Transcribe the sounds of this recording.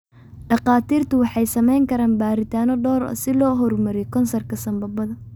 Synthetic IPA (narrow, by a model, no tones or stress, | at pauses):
ɖɑqɑːt̪ʰiːrt̪ʰʊwɑħɑjsɐmɛjŋkʰɐɾaːnbaːɾɪt̪ʰaːnɔɖɔːɾɔ̰ːsɪlɔːɦɔrmɐɾɛjkʰɔnsɐrkʰɐsɐmbɐbɐðɐ